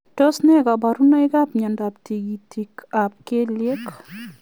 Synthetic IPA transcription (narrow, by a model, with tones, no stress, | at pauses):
tɔ˦snɛ˦ka˨ba˨ɾu˦na˦ɪ˦ɡa˦pɲɛ˨nda˨p̚ti˨ɡi˨tʰi˨kap̚ke˦lje˦k